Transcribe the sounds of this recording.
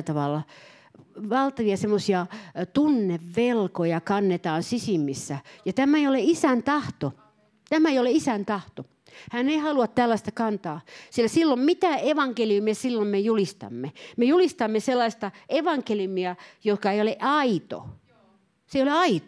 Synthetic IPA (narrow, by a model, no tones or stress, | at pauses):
t̪ɑʋɑlːɑ | ʋɑlt̪ɑʋiɑsemːosiɑt̪unːeʋːelkojɑkɑnːet̪ɑːnsisimːisːæjɑt̪æmæeijoleisænt̪ɑht̪o | t̪æmæeijoleisænt̪ɑht̪o | hæneihɑluɑt̪t̪ælːɑist̪ɑkɑnt̪ɑːsilːæsilːommit̪æeʋɑŋkelijumiɑsilːommejulist̪ɑ̰mːemejulist̪ɑmːeselˑːɑist̪ɑʔeʋɑŋkeljumiɑjokɑeioleʔɑit̪o̰ | seioleɑit̪